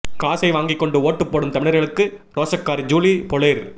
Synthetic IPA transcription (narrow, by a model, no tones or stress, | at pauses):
kaːsɐɪʋaːŋɡɪkːɔɳɖɯoːʈːɯpːoːɽɯmt̪ɐmɪɳɐɾɣɐɭɯkːɯɾoːsɐkːaːɾd͡ʒuːlipɔɭeɾ